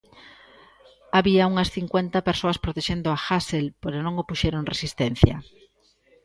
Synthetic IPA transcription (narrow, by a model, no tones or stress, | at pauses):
aβiauŋɐsθiŋkwent̪ɐpeɾsoaspɾot̪eʃend̪ʊaxaselpoɾonõŋopuʃeɾoŋresist̪en̟θjɐ̰